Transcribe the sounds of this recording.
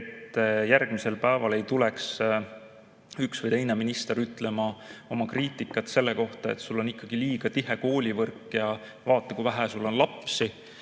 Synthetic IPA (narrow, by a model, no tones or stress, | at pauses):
t̪ːˑjærɡ̥mise̞lpæevɑle̞jt̪ulɛks | yksvɨjt̪e̞jne̞minist̪e̞ɾyt̪ːˑle̞mɑo̞mɑkriːt̪ːˑikːˑɑt̪se̞lːeko̞ht̪ɑe̞̰t̪ːsulːo̞nikːˑɑɡ̥iliːɡ̥ɑt̪iɦe̞ko̞ːlʲivɤrkːˑjɑ | vɑːt̪ːˑɑkujvæɦæsulːo̞nlɑpsi